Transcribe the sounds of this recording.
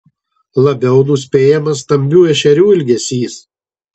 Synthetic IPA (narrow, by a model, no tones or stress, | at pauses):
lˠɐbʲɛʊnʊsʲpʲeːjɛmɐs̬ːt̪ɐmʲbʲuːɛʃʲɛɾʲuːɪlʲɡʲɛsʲiːs